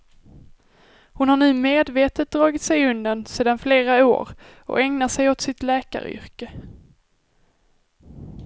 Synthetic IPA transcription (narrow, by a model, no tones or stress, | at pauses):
hʊnhaɳʉ̟ːmeːd̪veːt̪ət̪̚d̪ɾɑːɡɪt̪sɛjɵnd̪ənseːd̪anfleːɾao̰ːɾ | ɔ̰ɛŋnasɛjɔt̪sɪt̪lɛːka̰ɾʏ̰ɾkə